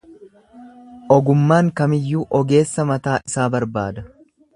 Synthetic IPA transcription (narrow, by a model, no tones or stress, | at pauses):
ʔɔɡʊmːaːŋkɐmɪjːuːʔɔɡe̞ːsːɐmɐt̪aːʔɪsaːbɐɾbaːd̪ɐ